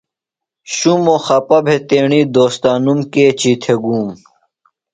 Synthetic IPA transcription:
ɕumoxɐpɐbʱet̪eːɳiːd̪oːst̪aːnumkeːt͡ɕit̪ʰeɡuːm

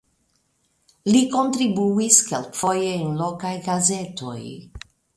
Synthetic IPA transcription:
liko̞ntɾibuiskelkfo̞jeenlo̞kajɡaze̞to̞̰j

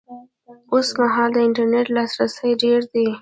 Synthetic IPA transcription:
osmaɦɑld̪əɪɳʈaɾneʈlɑsɾasəjɖeɽd̪i

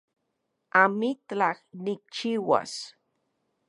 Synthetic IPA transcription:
amit̪laxnik̚t͡ʃiwa̰s

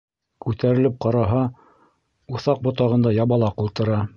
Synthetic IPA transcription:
kʉt̪æɾɘ̆lɘp̚qɑɾɑɦɑ | uθɑq̚bŏt̪ɑʁɤ̆nd̪ɑjɑβɑlˠɑqulˠt̪ɤ̆ɾɑ

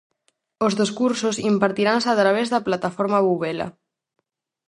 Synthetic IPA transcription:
ozðeskuɾsozimpaɾt̪iɾansat̪ɾaβ̞ezðaplat̪afoɾmaβuβela̰

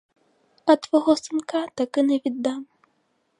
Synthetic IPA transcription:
ɐt̪vɔɣɔsɨnkat̪akɨnɛvʲid̪ːam

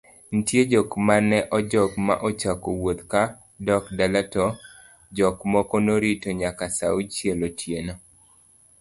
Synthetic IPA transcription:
n̩tjed͡ʒɔkmanɛʔɔd͡ʒɔkma̰ʔɔt͡ʃakowot̪ka | dɔkdalatɔ | d͡ʒɔkmɔkɔnoɾitoɲakasaut͡ʃjelotʰjenɔ

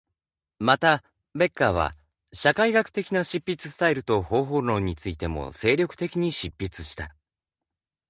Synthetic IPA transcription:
mat̪a | be̞kːaːβ̞a̰ | ɕakaiɡakɯ̟̥t̪e̞kʲinaɕipʲːit͡sɨ̥sɨ̥t̪aiɾɯ̟t̪o̞ho̞ːɦo̞ːno̞ːɲ̟it͡sɨit̪e̞mo̞̰se̞ːɾʲo̞kɯ̟̥e̞kʲiɲ̟iɕipʲːit͡sɨ̥ɕi̥t̪a

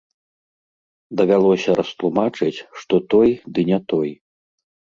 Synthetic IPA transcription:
d̪ɐvʲalˠɔsʲɐɾɐst̪lˠumat͡ʂɨt͡sʲʂt̪ɔt̪ɔjd̪ɨnʲɛt̪ɔj

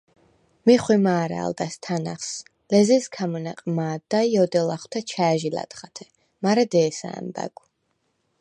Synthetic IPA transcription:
miχwimaːɾa̰ːld̪ast̪ʰanaχs | lɛziskʰamɔnaqʼmaːd̪aiɔd̪ɛlaχw̥t̪ʰɛt͡ʃʰaːʒila̰t̪χat̪ʰɛ̥ | maɾɛd̪ɛːsa̰ːmba̰ɡ

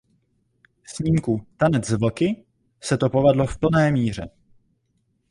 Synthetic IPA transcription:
sɲiːmkut̪anɛd͡zzvokɪ | sɛt̪o̞po̞vɛdlo̞fpl̩nɛːmiːr̝ɛ

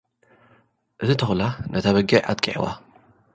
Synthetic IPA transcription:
ʔɨt̪ʰɨt̪ʰɐxlanʔɐt̪ʰaβɐɡiʕʔa̰t̪̚kʼiʕḭwa̰

